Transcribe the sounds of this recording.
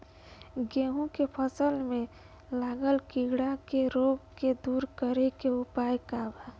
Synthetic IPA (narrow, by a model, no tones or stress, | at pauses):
ɡeːɦũkepʰəsəlmẽ | laːɡəlkiɡɽakeɾoːɡked̪uːɾkəɾekeʊpaːjkaːbɛ